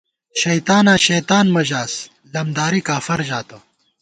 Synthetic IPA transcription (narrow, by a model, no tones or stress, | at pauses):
ʃɐjt̪aːnaːɕɐjt̪aːnmɐʑaːs | lɐmd̪aːɾikaːfɐɾʑaːt̪o